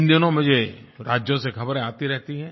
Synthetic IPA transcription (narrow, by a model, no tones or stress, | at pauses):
nd̪jonõmʊd͡ʒeɾaːd͡ʒjõsexʰɐbɾẽaːt̪iɾɛɦt̪iɦɛ̃ː